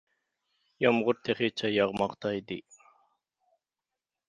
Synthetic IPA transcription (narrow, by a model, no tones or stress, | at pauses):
jɑmʁʊɾt̪ʰeχet͡ʃʰajɑʁmɑqt̪ɑjd̪ḭ